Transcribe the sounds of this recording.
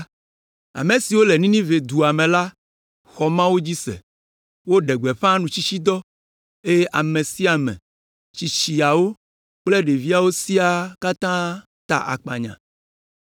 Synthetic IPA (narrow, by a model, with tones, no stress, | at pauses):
a̰˨mẽ˨si˨wo˦lɛ˨nĩ˦nĩ˦ve˨d̪u˨a˨mẽ˨la˦ | xɔ˨mã˦wo˦d͡ʑi˦sɛ̰˨ | wo˦ɖɛ˨ɡ͡bɛ˨ɸã˦nũ˨t͡ɕi˦t͡ɕi˦d̪ɔ˦ | e˦je˦ʔa˨mẽ˨si˦a˨mɛ̰̃˨ | t͡ɕi˨t͡ɕi˨a˨wo˦ | k͡plɛ˦ɖe˨vi˦a˦˨wo˦si˦a˨ka˦t̪ã˦ | t̪a̰˨ʔa̰˨k͡pa̰˨ɲã̰˨